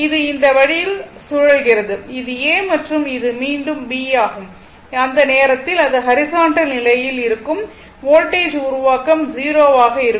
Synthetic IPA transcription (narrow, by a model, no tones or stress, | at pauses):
ɪðɯɪnd̪ɐʋɐɽɪjɪlsʊɻɐɭɣɪrɐðɯɪðɯeːmɐʈrɯmɪðɯmiːɳɖɯmbiːjaːɣɯm | ɐnd̪ɐneːɾɐt̪ːɪlɐðɯɦɐɾɪsaːɳʈɐlnɪlɐjɪlɪɾɯkːɯm | ʋoːʈːeːd͡ʒʊɾʊʋaːkɐmd͡ʒiːɾoːʋaːɣɐɪɾɯ